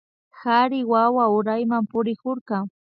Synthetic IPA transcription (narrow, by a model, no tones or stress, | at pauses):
haɾɪwawaʊɾajmampʊɾɪkoɾkaŋ